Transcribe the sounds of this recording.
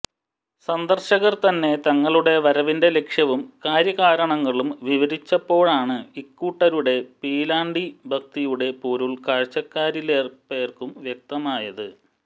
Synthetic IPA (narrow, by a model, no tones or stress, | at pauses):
sɐnd̪ɐrɕɐɣɐrt̪ɐnːe̞t̪ɐŋːɐɭuɽe̞ʋɐɾɐʋinde̞le̞kʂjɐʋumkaːɾjɐɣaːɾɐɳɐŋːɐɭumʋiʋɐɾit͡ɕːɐpːo̞ːɭaːɳɨikːuːʈːɐɾuɽe̞piːlaːɳɖibʱɐk̚t̪ijuɽe̞puːɾuɭkaːɻt͡ɕːɐkːaːɾileːrpe̞ːrkumʋjek̚t̪ɐmaːjɐðɨ